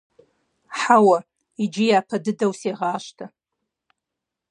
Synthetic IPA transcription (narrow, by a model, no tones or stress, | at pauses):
ħawa | id͡ʒijapʰadɨdawseʁaːʃtʰa